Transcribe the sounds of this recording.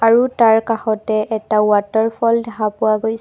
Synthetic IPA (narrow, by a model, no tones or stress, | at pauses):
aɹutaɹkaxɔtɛʔɛtawatɔɹpʰɔldɛxapʊwaɡojs